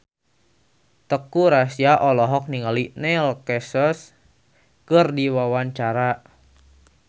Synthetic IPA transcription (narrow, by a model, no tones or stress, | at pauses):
t̪əkuɾasiaʔɔlɔɦɔk̚niŋalinɛlkɛsɔs | kɨrdiwawaɲt͡ʃaɾa